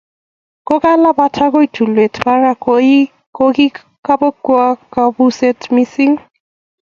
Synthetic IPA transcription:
kɔɡalabatʰaɡojtʰuletʰbaɹa | koɡi | kabɔkːuakabusɛtʰmisiŋ

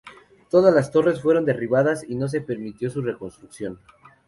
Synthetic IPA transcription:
t̪o̞ðazlast̪o̞re̞sfwe̞ɾo̞nd̪eriβaðasino̞s̬e̞pe̞ɾmit̪jo̞s̬ure̞ko̞nst̪ɾuksjo̞n

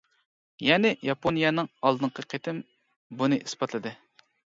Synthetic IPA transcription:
jɛnɪjɑponijɛnɨŋɑlˠd̪ɨŋqʰəqʰet̪ʰɪm | bunɨʔisbɑt̪lˠɨd̪ɨ

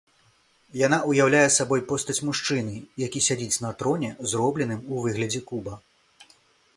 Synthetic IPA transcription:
jan̪aujawlʲajɛsabɔjpɔst̪ɐt͡sʲmuʂt͡ʂɨnɨjakʲisʲad͡zʲit͡sʲnɐt̪ɾɔnʲɛzrɔblʲɛn̪ɨmuvɨɣlʲɐd͡zʲɛkubɐ

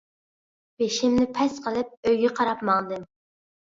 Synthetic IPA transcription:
b̥eʃɪmnɪpʰɛsqʰəlˠɨp̚øjɡʲɛqʰɑɾɑpmɑŋd̪ɨm

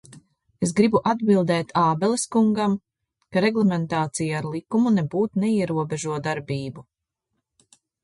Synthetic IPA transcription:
es̬ɡɾibuʔad̪bilˠd̪ɛːt̪ʰaːbɛlˠeskuŋɡam | kaɾɛɡlˠɛmɛnt̪aːt̪sijaaɾlˠikumunebuːt̪nɛiɛɾuɔbɛʒuɔd̪aɾbiːbu

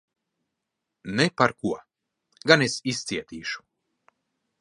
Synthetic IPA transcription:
nepaɾkuɔ | ɡanesist̪siɛt̪iːʃu̥

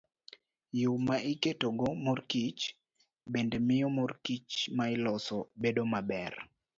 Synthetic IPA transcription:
jʊmaʔɪketoɡomorkit͡ʃ | bendemɪjɔmorkit͡ʃmaɪlɔsɔbedomabɛr

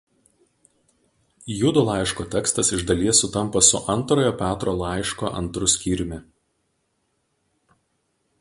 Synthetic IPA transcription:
jʊd̪ʊlˠɑˑɪʃkoːt̪ʲɛkst̪ɐsɪʒd̪ɐlʲiɛsʊt̪ɐmˑpɐsʊʔɐnˑt̪ɾoːjopʲæːt̪ɾoːlˠɑˑɪʃkoːʔɐ̰nt̪ɾʊsʲkʲiːɾʲɪmʲɪ

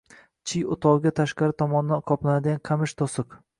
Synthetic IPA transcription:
t͡ʃʰɪjʊt̪ʰɒʁɡʲat̪ʰaʃqɑɾɪt̪ʰɒmɒnɪd̪anqʰɒplˠanad̪ɪɡʲanqʰɑmɪʃt̪ʰosɨq

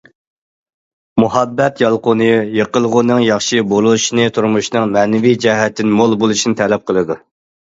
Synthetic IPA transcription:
muhɑbːɛt̪jɑlˠqʊnɨjeqəlˠʁʊnɨŋjɑχʃɨbolˠuʃnɨt̪ʰuɾmuʃnɨŋmɛnɪvid͡ʒɛɦɛt̪ʰːɪnmolˠbolˠuʃinɪt̪ʰɛlɛp̚qʰəlˠɨd̪u

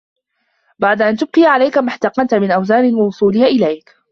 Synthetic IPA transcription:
baʕd̪aʔant̪ʊb̚qɪjʕalajkamaħt̪ɑqɑnt̪amɪnʔawzaːnɪnwɑwʊsˤuːlɪhaʔɪlajk

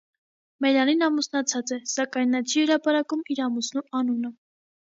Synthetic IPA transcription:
mɛɾɑninɑmusnɑt͡sʰɑt͡sɛsɑkɑjnːɑt͡ʃʰihəɾɑpɑɾɑkumiɾɑmusnuɑnunə

